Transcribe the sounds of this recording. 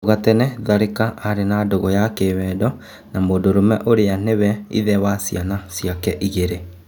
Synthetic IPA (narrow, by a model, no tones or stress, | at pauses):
ɣatɛnɛðaɾekaʔaɾenadoɣɔjakewɛdɔ | namoːdoɾomɛʔoɾeanewɛḭðɛwasianasiakɛʔiɣeɾe